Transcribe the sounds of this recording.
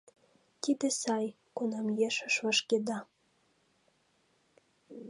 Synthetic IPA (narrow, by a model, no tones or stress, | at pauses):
t̪id̪ĕsɑj | kunɑmjeʃə̆ʃvəʃked̪ɑ